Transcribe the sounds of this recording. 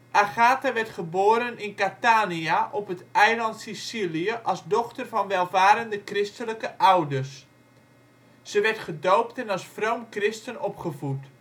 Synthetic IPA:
ʔaχaːtaʋɛrtχəboːɾənɪnkataːniaʔɔpətɛjlɑntsisiliəʔɑlˠsdɔχtərvɑnʋɛlˠvaːɾəndəkrɪstələkəʔawdərs | səʋɛrtχədowptɛnɑsfrowmkrɪstənɔpχəvut

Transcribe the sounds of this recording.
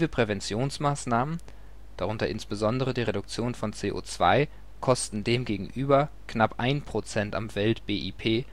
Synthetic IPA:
vəpʁ̥ɛvɛnt͡sjoːnsmaːsnaːmən | d̥aʁʊntɐʔɪnsb̥əzɔndəʁədiːʁ̞eɾʊk̚t͡sjoːnfɔnt͡seːʔo̰ːt͡sv̥a̰ɪ | kʰɔstn̩deːmɡeːɡŋ̩ʔyːbɐ | knapʔaɪnpʁ̥ot͡sɛnta̰mvɛltb̥eːʔipʰeː

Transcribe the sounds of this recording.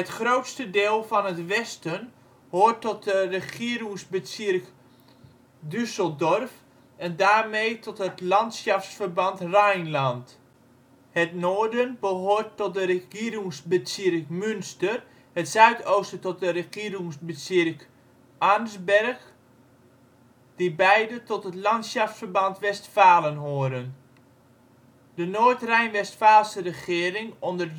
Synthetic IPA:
hətxroːtstədeːlˠfɔnətʋɛstən | hoːrtɔt̚dərəχiəɾɪŋsbəsɪrk | dysəlˠdɔrf | ʔɛndaːrmejtʰɔtɦətlɑntsjɑfsfərbɑntrajnlant | hətnoːrdənbəɦoːtːɔt̚dərəxiəɾɪŋsbəsirkmʏnstər | hətsœɥtʰowstətɔt̚dərəχiəɾuŋsbəsɪrk | ʔarmsbɛrx | d̥ibɛjdətɔtətlɑntsjɑftsfərbɑntʋɛstfaːlˠənɦoəɾən | dənoːtrɛjnʋɛstfaːlˠsərəχɪəɾɪŋɔndər

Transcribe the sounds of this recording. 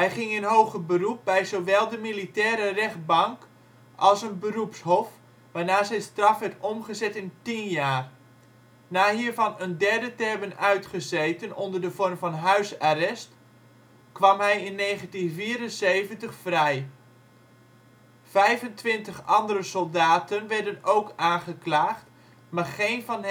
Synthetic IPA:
ɦɛjχɪŋənɦowχəbərup̚bɛjzowʋɛlˠdəmilitɛːɾərɛχt̚bɑŋk | ʔɑlˠsənbərupshɔf | ʋaːɹnaːzɛjstrɑfʋɛɹtɔmχəzɛtɪntinjaːr | naːɦiːrvɑnəndɛrdətɛrbənœɥtχəzejtənondərdəfɔrmfɑnɦœɥsarɛst | kʋɑmɦɛjɪnːeːχəntinviːɾənseːvəntəχfrɛj | vɛjvəntʋɪntəχɑndəɾəsɔlˠdaːtənʋɛrdənowkaːnχəklaːχt | marχeːnvɑn

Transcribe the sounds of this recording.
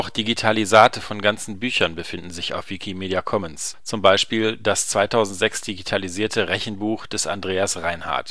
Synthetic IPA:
ʊxd̥iɡitʰalizaːtəfɔnɡant͡sn̩byːçɐnbəfɪndn̩zɪça̰ʊfv̥ikʰimeːdiakʰɔmənst͡sʊmbaɪʃpiːldast͡sv̥aɪtʰaʊzn̩tz̥ɛksd̥iɡitʰaliziːɐtʰəʁɛçn̩buːχd̥ɛsa̰ndʁeːasʁaɪnha̰ɐt

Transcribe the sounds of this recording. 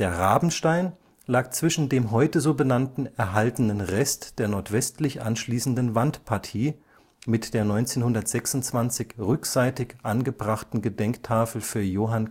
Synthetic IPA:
d̥eːɐʁaːbn̩ʃtaɪn | laːk̚t͡sv̥ɪʃn̩deːmɦɔʏtəzoːbənantn̩ɛɐɦaltənənʁɛstd̥eːɐnɔɐtv̥ɛstlɪçʔa̰nʃliːsn̩dən̩vantpʰaɐtʰiː | mɪtd̥eːɐnɔʏnt͡seːnhʊndɐtz̥ɛksʊntt͡sv̥ant͡sɪçʁʏkz̥aɪtɪçʔanɡəbʁaχtn̩ɡədɛŋktʰaːfl̩fyːɐjoːɦan

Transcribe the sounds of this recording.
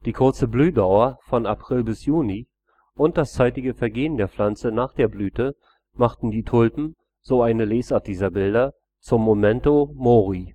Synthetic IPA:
d̥iːkʰʊɐt͡səblyːdaʊɐfɔnapʁ̥ɪlbɪsjuːni | ʔʊnt̚d̥ast͡saɪtɪɡəfɛɐɡeːəndeːɐflant͡sənaːχd̥eːɐblyːtə | maχtn̩diːtʰʊlpm̩ | z̥oːaɪnəleːsʔaɐt̚d̥iːzɐbɪldɐ | t͡sʊmːomɛntomoːʁi

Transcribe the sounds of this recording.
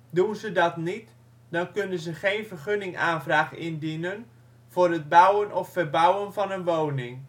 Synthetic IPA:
dunzədɑtnit | dɑnkønənzəχejnvərχønɪŋʔaːnvraːχɪ̰ndinən | vʊːrəd̚bʌwənɔfːərbawənfɑnənʋownɪŋ

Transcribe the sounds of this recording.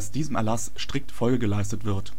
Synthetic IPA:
sd̥iːzəmɛɐlasʃtʁ̥ɪk̚tfɔlɡəɡəlaɪstətv̥ɪɐt

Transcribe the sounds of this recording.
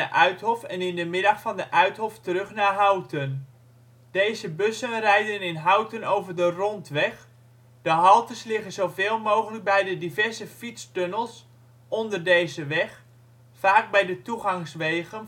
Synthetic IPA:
əʔœɥtɦɔfɛnɪndəmɪdɑχfɑndəʔœɥtɦɔftərɵχnaːɦawtən | d̥ejzəbøsənrɛjdənɪnɦawtənowvərdərɔntʋɛχ | d̥əɦɑlˠtəslɪχənzowvɪːlˠmowχələk̚bɛjdədivɛrzəfitstønəlˠs | ɔndərdejzəʋɛχ | faːk̚bɛjdətuχɑŋsʋejχən

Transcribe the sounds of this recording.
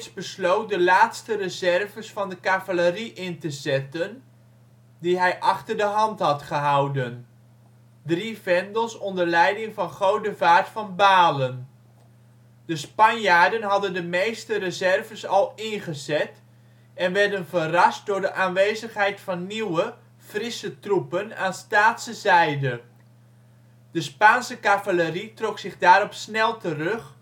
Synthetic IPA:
sbəslowt̚dəlaːtstərəzɛrvəsfɑndəkavaləriʔɪntəzɛtən | diɦɛjʔɑχtəɹdəɦɑntɦɑtχəɦɑwdən | drivɛndəlˠsɔndəɹlɛjdɪŋvɑnχowdəvaːɹtfɑnbaːlən | d̥əspɑnjaːɹdənɦɑdəndəmejstərəzɛrvəsɑlˠɪnχəzɛt | ɛnʋɛɹdənvərɑst̚dʊːɹdəʔaːnʋeːjzəχɦɛjtfɑnːiwə | frɪsətrupənaːnstaːtsəzɛjdə | d̥əspaːnsəkavaləritrɔksɪχdaːɾɔpsnɛlˠtərɵχ

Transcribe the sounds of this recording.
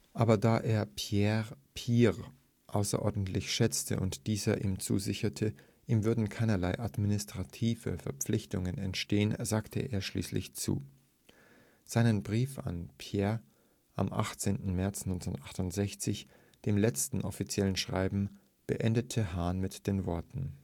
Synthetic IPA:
ʔaːbɐdaːʔeːɐpʰjɛʁpʰiːʁ | ʔaʊsɐ̰ʔɔɐdn̩tlɪçʃɛt͡stʰə̰ʔʊ̰ntd̥iːzɐʔiːmt͡sṵːzɪçɐtʰə | ʔiːmvʏɐdn̩kʰaɪnɐlaɪʔadminɪstʁ̥atʰiːvə̰fɛɐp͡flɪçtʊŋənɛ̰ntʃteːənzaːktʰə̰ʔeːɐʃlḭːslɪ̰çt͡sṵː | z̥aɪnənbʁiːfa̰npʰjɛːɐ | ʔa̰mʔa̰χt͡seːntn̩mɛɐt͡snɔʏnt͡staχtʊntz̥ɛçt͡sɪç | d̥eːmlɛt͡stn̩ʔɔfit͡sjɛlənʃʁ̥a̰ɪbm̩ | b̥ə̰ʔɛndətʰəɦaːnmɪtd̥eːnvɔɐtn̩

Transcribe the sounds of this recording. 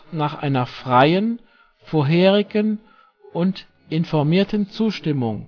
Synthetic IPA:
naːχʔa̰ɪnɐfʁ̥aɪən | foːɐɦeːʁɪɡən | ʔʊnt | ʔɪnfɔɐmiːɐtənt͡suːʃtɪmʊŋ

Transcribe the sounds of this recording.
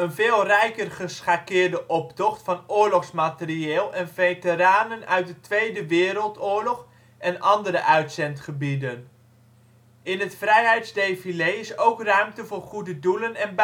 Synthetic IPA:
ənvɪːlˠrɛjkərχəsχaːkɪːɹdəʔɔptɔχtfɑnʊːɹlɔχsmaːtəriɪːlˠɛnvejtəɾaːnənœ̰ɥt̚dətʋejdəʋɪːɾəlˠtʊːɹlɔχ | ʔɛnʔɑndəɾəʔœɥtsɛntχəbidən | ɪnɦətfrɛjɦɛjtzdejfilejɪsowkrœɥmtəvʊːɹχudədulənɛnb

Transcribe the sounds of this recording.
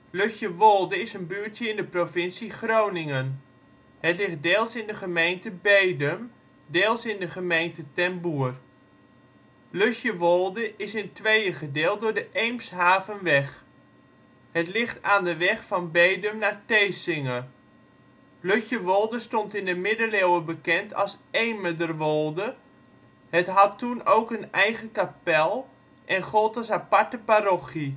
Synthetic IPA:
løçjəʋɔlˠdəɪsənbyːtjəɪndəprofɪnsiχrownɪŋən | hətlɪχt̚deːlˠsɪndəχəmejntəbejdəm | deːlˠsɪndəχəmejntətɛmbuər | løçjəʋɔlˠdəʔɪsɪntʋejəχədɪːlˠt̚dʊːɹdəʔejmsɦaːvənʋɛχ | hətlɪχtaːndəʋɛχfɑnbeːdəmnartejsɪŋə | løxjəʋolˠdəstontɪndəmɪdəlewəbəkɛntʰɑ̰lˠseːmədərʋolˠdə | hətɦɑttunowkənɛjɣəkapɛlˠ | ʔɛnχolˠtɔsapaɹtəparoxi

